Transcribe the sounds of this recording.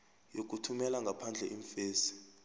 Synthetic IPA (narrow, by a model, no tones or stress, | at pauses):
jok̬utʰumɛlaŋɡʱapʰand͡ɮʱɛ̰ʔiɱfeːsi̥